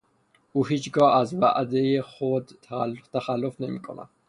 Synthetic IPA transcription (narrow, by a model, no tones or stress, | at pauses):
uhit͡ʃɡɔazvaʔad̪ɛjɛχɔd̪t̪ʰaalt̪ʰaχalɔfnɛmikʼɔna̰